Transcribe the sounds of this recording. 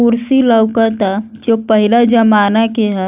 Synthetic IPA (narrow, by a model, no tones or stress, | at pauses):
uɾsiləwkət̪a | d͡ʒoːpəɦɪlad͡ʒəmaːnakeɦɛ̃